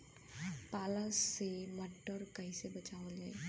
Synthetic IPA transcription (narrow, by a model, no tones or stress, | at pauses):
paːləsːeməʈːəɾkəɦĩsebət͡ʃaːolɛ̰